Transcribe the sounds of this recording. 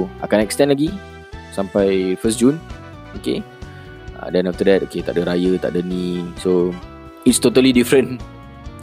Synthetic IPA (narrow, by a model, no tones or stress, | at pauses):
a̰kanɛkst̪ɛ̃nlaɡi | sampajfəsd͡ʒun | oke | a̰dɛ̃naft̪ədɛt̚oket̪aʔ̚dəɾajət̪a̰ʔ̚dənĩso | itst̪ot̪əlidifɾə̃n